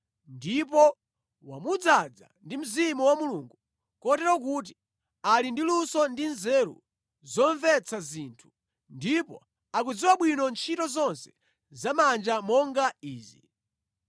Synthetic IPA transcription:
ndipɔ | wa̰mud͡zad͡za̰ndim̩zimuwamuluŋɡu | kɔtɛɾɔk̬uːt̬i | alindilusɔndinzɛɾṵ | zɔɱvɛt͡sazintʰu̥ | ndipɔ̰ | akud͡ziwaɓwinɔnt͡ʃʰitɔzɔnsɛ̥ | zamand͡ʒamɔŋɡaiːzḭ

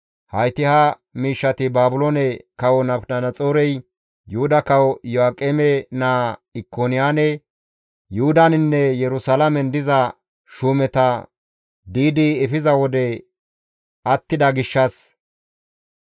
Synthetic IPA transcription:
hɐjt̪ɪhɐ | miːʃːɐt̪ɪbaːbʊlonɛkɐwɔnɐnɐnɐt͡sʼoːɾɛj | jʊhʊd̪ɐkɐwɔjɔakʼemɛnaːɪkːonɪjaːnɛ | jʊhʊd̪ɐnɪnːɛjɛɾʊsalɐmɛnd̪ɪzɐ | ʃuːmɛt̪ɐ | d̪iːd̪ɪɛfɪzɐwɔd̪ɛ | ʔɐt̪ːɪd̪ɐɡɪʃːɐs

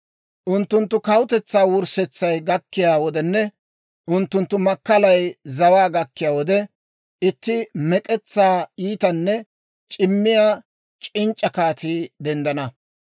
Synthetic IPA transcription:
ʔʊnt̪ːʊnt̪ːʊkɐwʊt̪ɛt͡sːaːwʊɾsɛt͡sːɐjɡɐkːɪjaːwɔd̪ɛnːɛ | ʔʊnt̪ːʊnt̪ːʊmɐkːɐlɐjzɐwaːɡɐkːɪjaːwɔd̪ɛ | ɪt̪ːɪmɛkʼɛt͡sːaːiːt̪ɐnːɛ | t͡ʃʼɪmːɪjaː | t͡ʃʼɪnt͡ʃʼːɐkaːt̪iːd̪ɛnd̪ɐnɐ

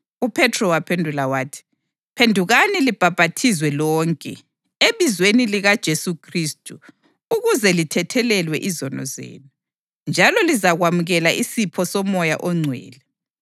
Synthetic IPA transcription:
upʰɛtʰrɔwapʰendʱulawaːtʰi̥ | pʰendʱuɣanilib̥ʱab̥ʱatʰizwɛlɔːŋkʼɛ̰ | eβizweniliɣad̥ʒ̥ʱesukʰristʼu | uɣuzɛlitʰɛtʰɛlɛlwɛʔizɔnɔ̰zḛːnu | nd͡ʒʱalɔlizaɣwamuɣɛlaʔisipʰɔsɔmɔja̰ʔɔŋ͡ǀʱwɛ̰ːlɛ

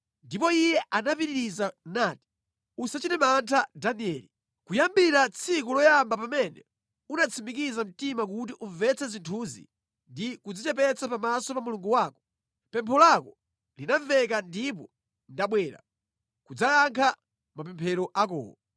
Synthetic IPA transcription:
ndipɔijɛʔanapiɾiɾizanaːti̥ | usat͡ʃinɛmantʰadaniɛːli | kujambiɾat͡sʰikɔlɔjambapamɛnɛ̰ | unat͡sʰimik̬izam̩timak̬ut̬iʔuɱvɛt͡sʰɛzintʰuzḭ | ndikud͡zit͡ʃɛp̬ɛt͡sʰapamasɔpamuluŋɡuwaːkɔ̥ | pɛmpʰɔlakɔ | linavɛkandip̬ɔ | ndaɓwɛːɾa̰ | kud͡zajaŋkʰa | mapɛmpʰɛɾɔʔakɔ̰ːwɔ

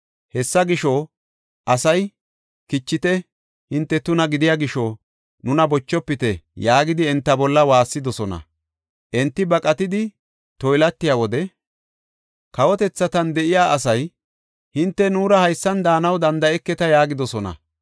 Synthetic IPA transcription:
hɛsːɐɡɪʃɔ | ʔɐsɐj | kɪt͡ʃːɪt̪ɛ | hɪnt̪ːɛt̪ʊnɐɡɪd̪ɪjaːɡɪʃɔ | nʊnɐbɔt͡ʃːɔpːɪt̪ɛjaːɡɪd̪ɪɛnt̪ːɐbɔlːɐwaːsːɪd̪ɔsɔnɐ̰ | ʔɛnt̪ːɪbɐkʼɐt̪ɪd̪ɪ | t̪ɔjlɐt̪ːɪjaːwɔd̪ɛ | kɐwɔt̪ɛt͡sːɐt̪ɐnd̪ɛʔɪjaːʔɐs̬ɐj | hɪnt̪ːɛnuːɾɐhɐjsːɐnd̪aːnɐwd̪ɐnd̪ɐɛkːɛt̪ɐjaːɡɪd̪ɔsɔnɐ̰

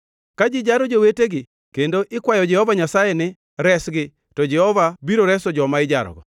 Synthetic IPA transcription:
kad͡ʒɪd͡ʒaɾɔd͡ʒoweteɡɪ | kendoʔɪkwajɔd͡ʒɛhɔvaɲasajenɪ | ɾɛsɡɪ | tɔd͡ʒɛhɔvabiɾoɾɛsɔd͡ʒɔmaɪd͡ʒa̰ɾɔ̰ɡɔ

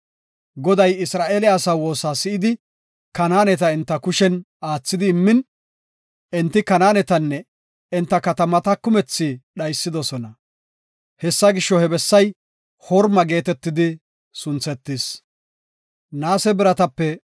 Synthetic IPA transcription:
ɡɔd̪ɐjɪsɾaːʔelɪɐsaːwo̞ːsaːsɪʔɪd̪ɪ | kɐnaːnɛt̪ɐɪnt̪ːɐkʊʃɛn | aːt͡sːɪd̪ɪːmːɪn | ɛnt̪ːɪkɐnaːnɛt̪ɐnːɛ | ɪnt̪ːɐkɐt̪ɐmɐt̪ɐkʊmɛt͡sːɪɗɐjsːɪd̪ɔsɔnɐ | hɛsːɐɡɪʃːɔhɛbɛsːɐj | hɔɾmɐɡe̞ːt̪ɛt̪ːɪd̪ɪ | sʊnt͡sɛt̪ːɪs | naːsɛbɪɾɐt̪ɐpːɛ

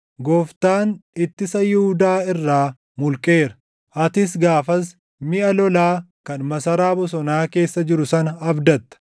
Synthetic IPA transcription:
ɡɔːft̪aːnɪt̪ːɪsɐjʊhʊd̪aːɪrːaː | mʊlkʼe̞ːɾɐ̥ | ʔɐt̪ɪs̬ɡaːfɐs | mɪʔɐlɔlaːkɐnmɐsɐɾaːbɔs̬ɔnaːke̞ːsːɐd͡ʒɪɾʊsɐnɐɐbd̪ɐt̪ːɐ̥

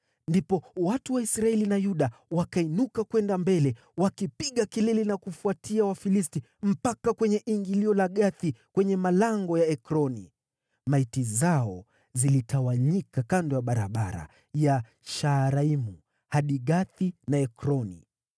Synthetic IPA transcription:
ndipɔwatuwaisɾaɛlinajuɗawakainukakwɛndambɛlɛ | wakipiɠakilɛlinakufuatiawafilisti | m̩pakakwɛɲɛʔiŋɡiliɔlaɠaθikwɛɲɛmalaŋɡɔjaɛkɾɔni | maitizaɔ | zilitʰawaɲikakandɔjaɓaɾa̰ɓaɾa̰ | ja | ʃaɾaimu | haɗiɠaθinaɛkɾɔnḭ

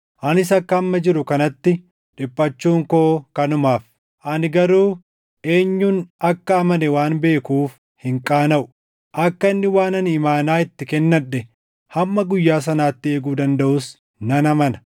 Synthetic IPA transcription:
ʔɐnɪs̬ɐkːɐːmːɐd͡ʒɪɾʊkɐnɐt̪ːɪ | ᶑɪpʼːɐt͡ʃːuːŋko̞ːkɐnʊmaːf | ʔɐnɪɡɐɾuː | ʔe̞ːɲːuːnɐkːɐːmɐnɛwaːnbe̞ːkuːf | hɪŋkʼaːnɐʔʊ̥ | ʔɐkːɐɪnːɪwaːnɐnɪmaːnaːɪt̪ːɪkɛnːɐᶑɛ | hɐmːɐɡʊjːaːs̬ɐnaːt̪ːɪe̞ːɡuːd̪ɐnd̪ɐʔʊs | nɐnɐmɐnɐ̥

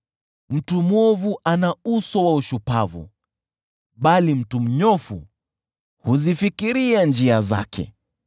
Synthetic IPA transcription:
m̩tumwɔvuʔanausɔwauʃupavṵ | ɓalim̩tum̩ɲɔfṵ | huzifikiɾiand͡ʒiaza̰kʰɛ̰

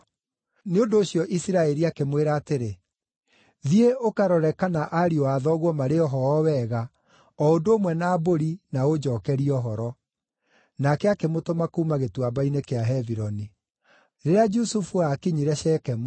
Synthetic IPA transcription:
neondoːɕjɔʔisiɾaɛɾiakemweɾaːteɾe | ðieʔokaɾɔɾɛkanaʔaɾioaðɔɣwɔmaɾeɔɦɔɔwɛɣa | ɔondoːmwɛnaːboɾinaod͡ʒɔːkɛɾiɔɦɔɾɔ | nakɛakemotomakuːmaɣetwabainekeaɦɛviɾɔni | ɾeɾead͡ʒusufuakiɲiɾɛɕɛːkɛm

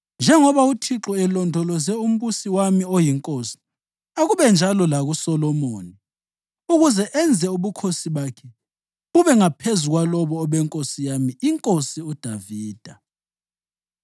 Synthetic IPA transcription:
nd͡ʒʱɛŋɔβautʰiǁɔɛlɔndʱɔlɔzɛum̩βusiwamiojiŋkʼosi̥ | aɣuβɛnd͡ʒʱalɔlaɣusɔlɔmoːni | uɣuzɛʔɛnd͡zʱɛuβukʰosiβakʰɛ | uβɛŋapʰezuɣwalɔβɔːβɛŋkʼosijamiiŋkʼosiud̥ʱaviːd̥ʱa

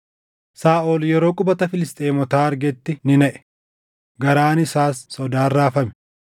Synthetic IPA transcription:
saːʔoːljɛɾo̞ːkʼʊbɐt̪ɐfɪlɪst̪ʼeːmɔt̪aːɐɾɡɛt̪ːɪnɪnɛʔɛ̥ | ɡɐɾaːnɪsaːsːɔd̪aːrːaːfɐmɛ̥

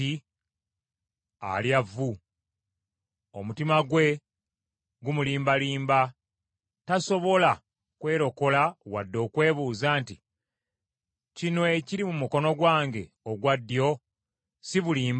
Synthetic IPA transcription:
i | a̰ljavːu | omutimaɡwe̞ | ɡumuliːmbaliːmba | taso̞βo̞la | kwe̞ːɾo̞ko̞lawadːo̞ːkwe̞ːβuːzaːnti | cino̞eciɾimumuko̞no̞ɡwaːŋɡe̞ | oɡwadːjo̞ | siβuliːmb

